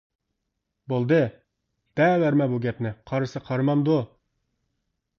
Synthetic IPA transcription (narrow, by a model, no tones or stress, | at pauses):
bolˠd̪ɨ | b̪̥ɛwæɾmɛbuɡʲɛpnɪqʰɑɾɨsɨqʰɑɾmɑmd̪u